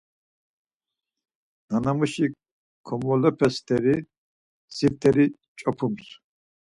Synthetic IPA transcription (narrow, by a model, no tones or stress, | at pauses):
nanamuʃi | kʰɔmɔlɔpʰɛst̪ʰɛɾi | siɾt̪ʰɛɾi | t͡ʃʼɔpʰums